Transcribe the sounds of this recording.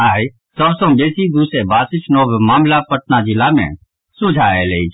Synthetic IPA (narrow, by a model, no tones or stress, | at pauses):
aːi | sɔbsõbeːsid̪uːsɾebaːsɪt͡ʃnoːbmaːmlapəʈ̪nad͡ʒɪlamḛ̃ | sʊd͡ʒʱaeleːi